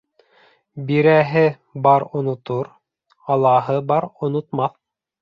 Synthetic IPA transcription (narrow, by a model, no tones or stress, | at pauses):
biɾæɦɘ | bɑɾŏnŏt̪oɾ | ɑlˠɑɦɤbɑɾŏnŏt̪mɑθ